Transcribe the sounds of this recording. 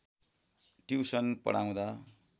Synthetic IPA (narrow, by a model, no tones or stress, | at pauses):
ʈiwsʌnpʌ̰ɽaw̃d̪a